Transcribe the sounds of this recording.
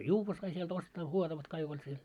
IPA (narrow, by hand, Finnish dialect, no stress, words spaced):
juːʋːɑ sɑi sielt ostɑː huotɑʋɑt kɑik olʲ siel